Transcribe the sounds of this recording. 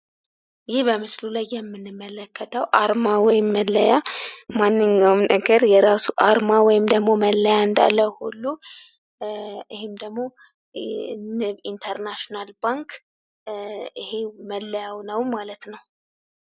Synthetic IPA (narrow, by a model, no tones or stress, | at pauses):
jɪhbəmɨslulajːɛmːɨnːɨmːələkʰːət̪ʰəwʔaɾmawɔjɪmːəlːəjamanːɨɲːəwnəɡəɾjɛɾasuʔaɾmawɔjɪmd̪əɡmo̞məlːəjaɨnd̪a̰lːəwhulːu | ɨhɪmd̪əɡmo̞ | ɨint̪ʰəɾnaʃonalbaŋk | ɨheməlːəjawnəwmalət̪nəw